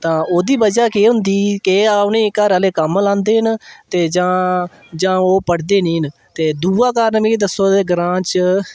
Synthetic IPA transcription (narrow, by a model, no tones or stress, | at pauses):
t̪ãːoːd̪iːbəd͡ʒaːkeːɦʊ̃nd̪iːkeːaːpnẽːɪkːaːɾəleːkəmlãːnd̪eːɦnt̪eːd͡ʒãː | d͡ʒãːoːpəɽd̪eːnĩːn | t̪eːd̪uːaːkaːɾnmẽːid̪əsoːt̪eːɡɾãːt͡ʃ